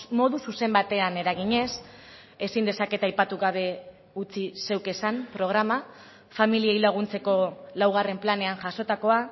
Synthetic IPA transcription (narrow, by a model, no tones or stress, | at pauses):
mo̞ðususe̞mbat̪e̞ane̞ɾaɣ̞iɲe̞s | e̞sind̪e̞sake̞t̪ajpat̪uɣaβ̞e̞ | ut͡sise̞wke̞sampɾo̞ɣ̞ɾama | familiejlaɣ̞unt͡se̞ko̞lawɣ̞are̞mplane̞anʝaso̞t̪ako̞a